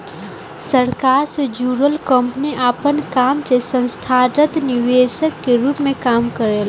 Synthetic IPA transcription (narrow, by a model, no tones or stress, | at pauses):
səɾkaːɾsed͡ʒuːɾəlkə̃mpniʔaːpənkaːmsesə̃nst̪ʰaːɾət̪nɪʋeːʃəkːeɾuːpmẽkaːmkəɾel